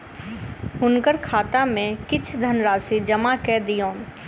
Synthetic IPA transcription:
hʊnkəɾkʰaːt̪amẽkɪt͡ʃʰd̪ʱənɾaːsid͡ʒɐmakɛd̪ijõːn

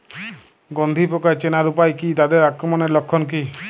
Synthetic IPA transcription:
ɡɔnd̪ʱipɔkajt͡ʃenaɾupajkit̪ad̪eɾakɾɔmɔneɾlɔkʰːɔnki

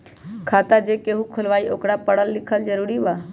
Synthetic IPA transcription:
kʰaːt̪ad͡ʒeːkeːɦukʰʊlʋaːiʔoːkɽapəɽəlːɪkʰəld͡ʒəɾuːɾiʋaː

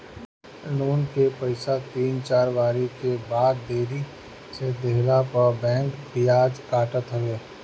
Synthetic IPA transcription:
nuːnkepəɪsat̪iːnt͡ʃaːɾʋaːɾikebaːd̪ːeːɾi | sed̪eɦlapəɾbɛ̃ːŋkbijaːd͡ʒkaːʈət̪ɦəʋeː

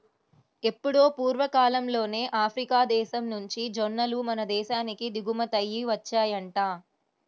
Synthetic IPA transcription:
e̞pːuɽo̞ːpuːɾʋɐkaːlɐmlo̞ːne̞ːʔaːpʰɾikaːd̪ɛːʃɐmnuɲt͡ʃid͡ʒonːɐlumɐnɐd̪ɛːʃaːnikid̪iɡumɐt̪ɐjːiʋɐt͡ʃːaːjɐɳʈaː

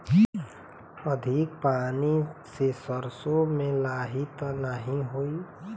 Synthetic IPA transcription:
əd̪ʱik̚paːnisesəɾsomẽlaːɦit̪nəɦĩɦoi

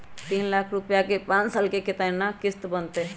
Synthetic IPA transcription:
t̪inlakʰɾupjakepãnsalkeket̪ənːakist̪bənt̪e

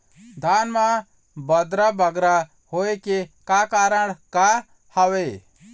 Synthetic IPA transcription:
d̪ʱaːnmã | bəd̪ɾabəɡɾa | hoːekekaːkaːɾəɽka | haʋeː

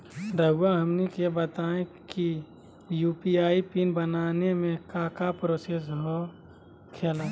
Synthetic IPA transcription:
ɾəɡuãɦəmnikebət̪aːẽki | juːpiaːipiːnbənaːnemẽkakapɾoːsesɦo | kʰeːlaː

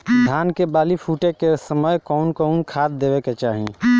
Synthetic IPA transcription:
d̪ʱankebaːlipʰuʈekesəməjkɔʊnkɔnkʰad̪̚d̪ebeket͡ʃaːɦḭ

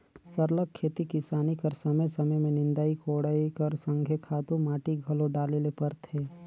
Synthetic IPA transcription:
sɐɾləkʰːeːt̪ikɪsaːnikɐɾsɐməjsɐməjmẽnɪ̃nd̪aːikoːɽaːikɐɾsə̃ŋɡʱekʰaːt̪ũmaːʈiɡʱɐlõɖaːleːlepɐɾt̪ʰeː

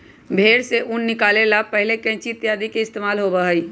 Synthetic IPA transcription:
bʱeːɾseʔʊnːɪkaːlelapəɦɪlekɛ̃ːt͡ʃit̪jaːd̪ikeɪst̪eːmaːlɦobəɦəi

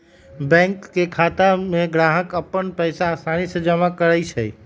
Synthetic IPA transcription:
bɛ̃ŋkːekʰat̪ameɡɾaɦəkəpːənpəjsaːst̪ʰanisə̃d͡ʒəmakəɾɛjt͡ʃʰəj

